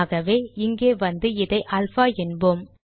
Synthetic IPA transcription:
ɣɐʋeːɪŋɡeːʋɐnd̪ɯɪðɐɪʔɐlfaːɛnbɯm

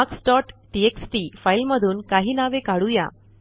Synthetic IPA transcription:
aksʈɔʈʈieksʈifailməd̪ʱuːnkaɦiːnaʋekaɽuja̰

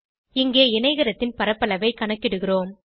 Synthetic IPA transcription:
ɪŋɡeːɪnɐɪɣɐɾɐt̪ːɪnpɐɾɐpːɐɭɐʋɐɪkɐɳɐkːɪɽɯɣɪroːm

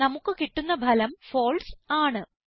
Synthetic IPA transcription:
nɐmukːɨkiʈːunːɐbʱɐlɐmfo̞ːlsaːɳɨ

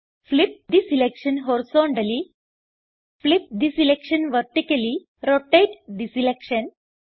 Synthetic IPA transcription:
flip̚d̪isilekʃənɦɔɾisɔɳɖəli | flip̚d̪isilekʃənʋəɾʈikəli | ɾɔʈeʈd̪isilekʃən

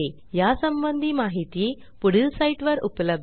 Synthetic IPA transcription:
e | jasəmbənd̪ʱiːmaɦit̪ije | puɽilsaiʈʋəɾupləb̚

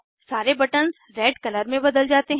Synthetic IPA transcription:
saːɾebɐʈənz | ɾɛːɖkɐləɾmẽbɐd̪əld͡ʒaːt̪eɦ

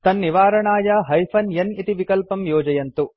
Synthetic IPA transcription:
t̪ɐnːiʋaːɾɐɳaːjɐɦɐjpʰɐnjɐnit̪iʋikɐlpɐmjɔːd͡ʒɐjɐnt̪u

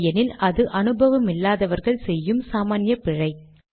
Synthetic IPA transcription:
jɐnɪlʔɐðɯʔɐnɯbʱɐʋɐmɪlːaːðɐʋɐɾɣɐɭsɛjːɯmsaːmaːnjɐpɪɻɐɪ

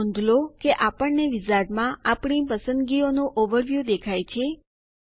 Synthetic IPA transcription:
nd̪ʱlokeʔapəɳneʋizaɖmãapɳipəsənd̪ɡionũʔoʋəɾʋjud̪ekʰajt͡ʃʰe

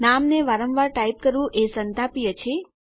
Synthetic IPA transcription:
namneʋaɾəmʋaɾʈaip̚kəɾʋũʔesənt̪apijət͡ʃʰe

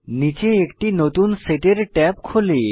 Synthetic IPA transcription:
nit͡ɕeekʈinot̪unseʈeɾʈɛpkʰole

